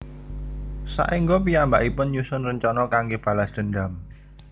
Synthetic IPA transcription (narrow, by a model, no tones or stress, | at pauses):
sa̰ʔiŋɡop̬ijambaʔipʊnjusʊnrəɲt͡ʃɔnɔkaŋɡeb̥ä̤lasd̪̥ə̤nd̪am